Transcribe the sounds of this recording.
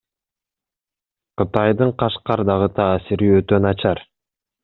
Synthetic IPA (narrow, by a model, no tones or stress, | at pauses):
qɯt̪ɑjd̪ɯɴqɑʃqɑɾd̪ɑʁɯt̪ʰaːsiɾiøt̪ønɑt͡ʃɑɾ